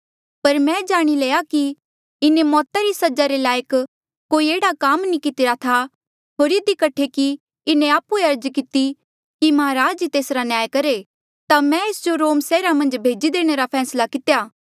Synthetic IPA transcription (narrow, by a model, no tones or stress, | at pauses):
pɐɾmɛ̃d͡ʒaːɽ̃ileːjaki | ɪnemɔːt̪aɾisɐd͡ʒaɾelaːjək | koːieːɽakaːmnikɪt̪ɪɾat̪ʰa | ɦoːɾɪd̪ikɐʈʰːeki | ɪnẽaːpueɐɾd͡ʒkɪt̪i | kimɐɦaɾaːd͡ʒit̪eːsɾanjaːjkɐɾe | t̪amɛ̃eːsd͡ʒoɾoːmsɛːɾamɐ̃nd͡ʒbʱeːd͡ʒid̪eːɽ̃eɾapʰɛːslakɪt̪ejaː